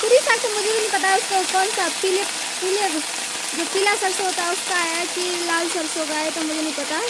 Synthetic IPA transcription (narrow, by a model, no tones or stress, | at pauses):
pʊːɾisaːksemʊd͡ʒʱebʱinɐ̃ĩpɐt̪aɛʊskokɔːnsapɪlep | pɪle | d͡ʒoːpɪlasɐɾsɦoːt̪aɦɛʊskaɦɛki | laːlsɐɾsoɡaːet̪omʊd͡ʒʱenɐ̃ɦĩpɐt̪aɦ